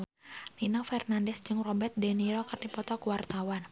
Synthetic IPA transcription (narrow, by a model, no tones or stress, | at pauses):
ninɔfɛrnandɛsd͡ʒɨŋrɔbɛrt̪̚dɛniɾɔkɨrdipɔt̪ɔkuwart̪awan